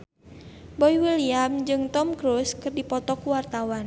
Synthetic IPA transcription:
bɔiwiliamd͡ʒɨŋt̪ɔmkɾuskɨrdipɔt̪ɔkuwart̪awan

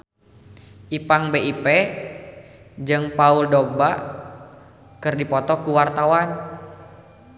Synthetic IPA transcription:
ʔipaŋbeʔipɛ | d͡ʒɨŋpauldɔɡ̚ba | kɨrdipɔt̪ɔkuwart̪awan

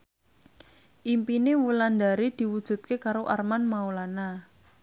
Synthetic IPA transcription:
ʔimpinewuland̪aɾid̪̥i̤wud̥ʒ̥ṳt̪̚kekaɾoʔarmanmaulana

